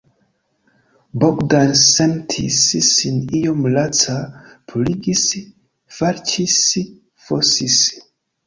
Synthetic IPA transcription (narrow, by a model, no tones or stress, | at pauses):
bokdansentʰḭssinijomlat͡sapʰuliɡis | faɾt͡ʃis | fosis